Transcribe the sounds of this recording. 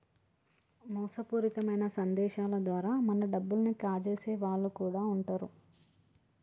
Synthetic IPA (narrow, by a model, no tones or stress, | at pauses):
mɔːsɐpuːɾit̪ɐmɐjnɐsɐnd̪ɛːʃaːlɐd̪ʋaːɾaːmɐnɐɖɐbːulɐnikaːt͡ʃeːseːʋaːɭːukuːɽaːuɳʈaːɾṵ